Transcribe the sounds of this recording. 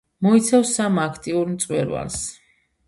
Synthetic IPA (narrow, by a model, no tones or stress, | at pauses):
mɔit̪sʰafsamakʰt̪ʼiuɾmt̪sʼwɛɾwa̰ls